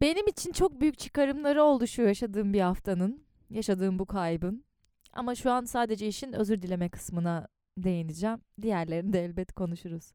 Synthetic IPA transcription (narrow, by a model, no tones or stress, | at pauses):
be̞nimit͡ʃʰint͡ʃʰo̞k̚byjyc̚ʲt͡ʃʰɯ̥kaɾɯmlˠaɾɯo̞lˠd̪uʃujojaʃad̪ɯːmbihaft̪ʰanɯn | jaʃad̪ɯːmbukʰajbɯn | a̰maʃuansaːd̪e̞d͡ʒɛiʃinø̞̰zyɾd̪ilʲe̞mɛkʰɯ̥smɯna | d̪e̞jenid͡ʒɛmd̪ijæɾlʲe̞ɾind̪ɛːlʲbɛt̪kʰo̞nuʃuɾuz̥